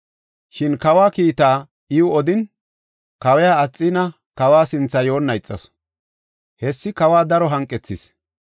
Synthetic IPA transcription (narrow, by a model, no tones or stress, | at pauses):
ʃɪnkɐwaːkiːt̪aː | ɪʊɔd̪ɪn | kɐwɛjaːt͡sʼːɪnɐ | kɐwaːsɪnt͡sːɐjo̞ːnːɐjt͡sʼːɐ̰s | hɛsːɪkɐwaːd̪ɐɾɔɦɐŋkʼːɛt͡sːɪs